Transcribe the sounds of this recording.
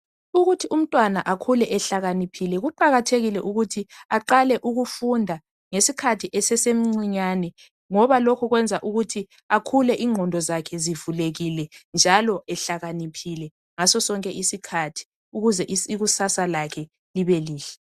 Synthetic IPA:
uɣutʰium̩tʼwanaʔakʰulɛʔɛɬaɣanipʰilɛɣuǃaɣatʰeɣilɛʔuɣutʰiaǃalɛʔuɣufundʱa | ŋesikʰatʰiʔɛsɛsem̩ŋ͡ǀiɲanɛ | ŋɔβalɔkʰɔɣwɛnd͡zʱaʔuɣutʰi | akʰulɛʔiŋʱɔndʱɔzakʰɛzivuleɣilɛnd͡ʒʱalɔɛɬaɣanipʰilɛ | ŋasɔsɔŋkʼɛʔisikʰatʰi̥ | uɣuzɛʔiiɣusasalakʰɛ | liβeliːɬɛ̥

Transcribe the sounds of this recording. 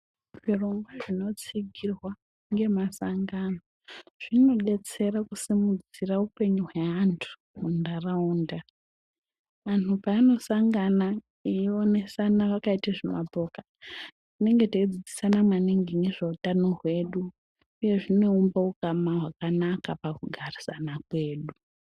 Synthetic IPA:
ʐ̥iro̞ŋɡwaʐino̞t͡siɡʱirwa | ŋɡe̞masaŋɡano | ʐ̥ino̞ɗe̞t͡se̞rakusimud͡ziraupe̞ɲuɦweantʰu̥ | mundarauːnda | ʋanupaːno̞saŋɡana | iio̞ne̞sanaʋakaitaʐemapo̞ka | tine̞ŋɡe̞taid͡zid͡zisanamwaniŋɡiŋɡeʐeutano̞ɦwe̞ːɗuː | je̞ʐino̞umbaukamaɦwakanakapakuɡʱarisanakwe̞ːɗu

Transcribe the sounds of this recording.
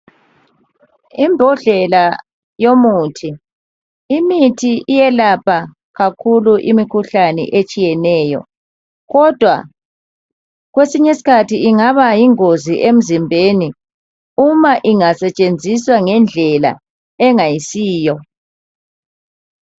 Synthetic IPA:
imbʱɔɮɛla | jomuːtʰi | imitʰiʔijɛlapʰa | ɣakʰuluʔimikʰuɬanɛ̰ʔet͡ʃʼijɛnɛːjɔ̰ | ɣɔd̥ʱwa̰ | ɣwesiɲesi̥kʰatʰiiŋaβajiŋoziʔem̩zimbʱeni | umaʔiŋasɛt͡ʃʼend͡zʱiswaŋɛnd͡ɮʱɛla̰ | ɛŋajisiːjɔ

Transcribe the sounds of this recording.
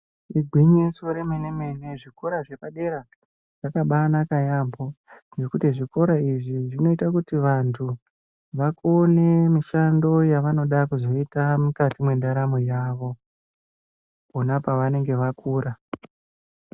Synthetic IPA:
iɡʱwiɲisoɾemene̞me̞ne̞ʐiko̞ɾaʐe̞paɗe̞ɾa | ʐ̥akaɓanakajambʱo̞nd͡ʒe̞kutiʐiko̞ɾaiʐiʐino̞itakutiʋantʰu | ʋakone̞miʃando̞jaʋano̞ɗakuzo̞itamukatimwe̞ndaɾamojaːʋo̞ | ponapaʋane̞ŋɡe̞ʋakuːɾa

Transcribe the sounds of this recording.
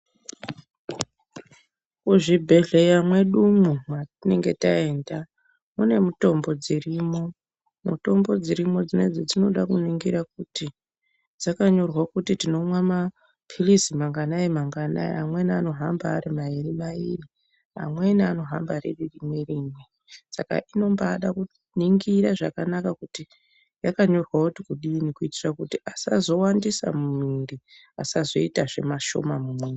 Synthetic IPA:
kuʐibʱe̞ɮe̞jamwe̞ɗumumatine̞ŋɡe̞tae̞ːnda | mune̞muto̞mbo̞d͡zirimo̞ | muto̞mbo̞d͡ziɾimo̞d͡zine̞̰d͡zed͡zino̞ɗakuniŋɡiɾakuti | d͡zakaɲo̞rwakutitino̞mwama | pʰilizimaŋɡanaemaŋɡana̰ḛamwe̞niano̞ɦambaːrimairimaḭri | a̰mwe̞niano̞ɦa̰mbaɾḛririmweriːmwe | saka̰ʔino̞mbaːɗaku | niŋɡiɾaʐa̰kanakakuti | jakaɲo̞rwakutikuɗinikuitirakutiʔasa̰zo̞wandisa̰mumindi | asazo̞itaʐe̞̰maʃo̞̰mamumwe

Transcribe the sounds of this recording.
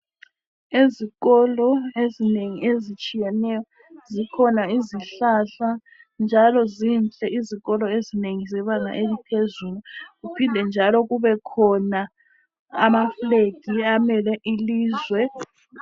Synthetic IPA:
eziɣɔlɔezineŋiezit͡ʃʼijɛnɛjɔ | zikʰɔnaiziɬaɬa | nd͡ʒʱalɔzinɬʼɛiziɣɔlɔezineŋizɛβaŋa̰ʔelipʰezuːluɣupʰindʱɛnd͡ʒʱalɔɣuβɛkʰɔna | amafleɡ̥ʱiamɛlɛʔiliːzwɛ

